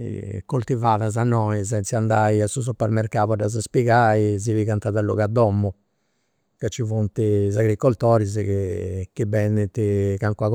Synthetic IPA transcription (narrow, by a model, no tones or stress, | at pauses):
kolt̪ivaːðazanːɔizɛnsiand̪aːiasuz̬upɛɾmɛɾkaːβɔdaz̬aspiɣaiziviɣant̪aðalːuɣad̪ːɔmːɔ | kat͡ʃːivunt̪izaɣɾikːɔlt̪ɔːɾizɛkik̟ibɛnd̪it̪ikaŋkwaɣ